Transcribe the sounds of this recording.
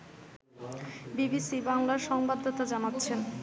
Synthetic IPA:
bibisibaŋlaɾʃɔŋbad̪ʱːot̪ad͡ʑanatːɕʰen

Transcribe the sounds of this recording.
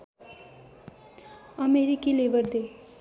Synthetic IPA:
ʌmeɾikilebʌɾd̪e

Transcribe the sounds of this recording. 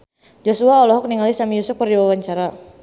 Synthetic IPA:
d͡ʒosuaɔlɔɦɔk̚niŋalisamijusʊf̚pərdiwawaɲt͡ʃaɾa

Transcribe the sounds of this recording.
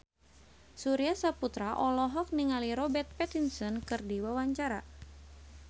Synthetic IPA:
suɾiasaput̪ɾaʔɔlɔɦɔk̚niŋaliɾɔbɛrt̪̚pɛt̪insɔnkɨrdiwawaɲt͡ʃaɾa

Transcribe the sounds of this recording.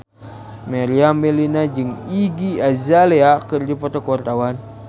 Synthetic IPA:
meɾiambɛlinad͡ʒɨŋiɡiazaleakɨrdipɔt̪okwart̪awan

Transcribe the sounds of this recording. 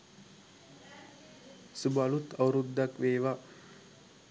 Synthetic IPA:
subalut̪awɾud̪ːakʋeːʋa

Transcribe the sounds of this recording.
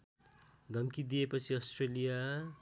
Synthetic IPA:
d̪ʱʌmkid̪ijepʌt͡sʰiʌsʈrelija

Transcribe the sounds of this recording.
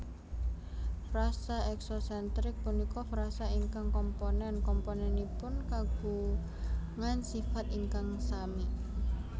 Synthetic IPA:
fɾasaɛksɔsɛnt̪ɾɪk̚punikɔfɾasaiŋkaŋkɔmponɛnkɔmponɛnipʊnkaɡ̥u | ŋansifat̪iŋkaŋsami

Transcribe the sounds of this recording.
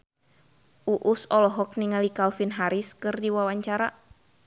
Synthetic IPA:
ʔuʔusɔlɔɦɔk̚niŋalikalfinɦaɾiskɨrdiwawaɲt͡ʃaɾa

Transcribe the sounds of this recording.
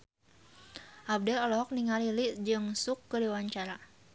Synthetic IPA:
ʔab̚dɛlɔlɔɦɔk̚niŋaliliʔd͡ʒɨŋsukːədiwaɲt͡ʃaɾa

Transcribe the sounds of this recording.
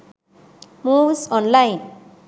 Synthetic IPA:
musɔnlajn

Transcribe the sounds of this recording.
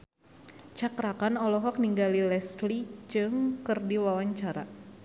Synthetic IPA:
t͡ʃakɾakanɔlɔɦɔk̚niŋɡalilɛslid͡ʒɨŋkɨrdiwawaɲt͡ʃaɾa̰

